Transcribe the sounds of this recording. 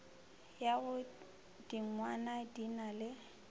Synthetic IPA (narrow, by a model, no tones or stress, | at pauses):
jaɣʊ | d̥iŋ̩ŋwanadinalɪ